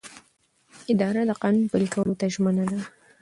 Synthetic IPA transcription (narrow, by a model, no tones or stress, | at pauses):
ɪd̪ɑɾad̪əqɑnunpəlikawəlot̪aʒmanad̪a